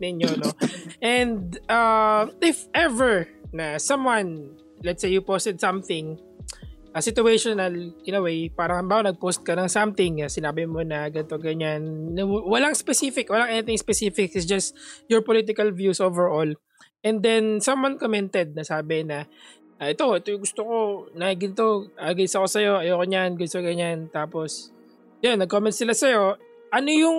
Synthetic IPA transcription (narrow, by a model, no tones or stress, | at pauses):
nɪɲonoʔɛ̃nd̪̚ʔaɪfʔɛvɛɹnɐsɐ̃mwãn | lɛt̪sejʊpost̪ɛd̪̚sɐ̃mθɪ̃ŋ | ʔɐsɪt̪ʊejʃonɐljɪnowejpaːɾɐŋbaʔonɐɡ̚post̪̚kɐnɐŋsɐmt̪ɪŋɐsɪnaːbɪmo̞nɐɡɐnɪt̪o̞ɡɐɲanːɐwɐlaŋspɛsifɪkwɐlaŋʔɛnɪt̪ɪŋspɛsifɪkɪsd͡ʒɐst̪jɔɹpolit̪̬ɪkɐlvjusʔoːvɛɹʔol | ʔɛnd̪ɛnsamwankomɛnt̪ɛd̪̚nɐsaːbɪnɐ | ʔaʔɛt̪o̞ʔɛt̪ojʊŋɡʊst̪oko̞nɐɡɪnt̪o̞ʔaɡɪsɐkosɐjo̞ʔɐjowkoɲanɡɐd̪t̪oɡɐɲant̪aːpo̞s | jonːɐɡ̚koːmɛ̃nsɪlasɐjo̞ | ʔɐno̞jʊŋ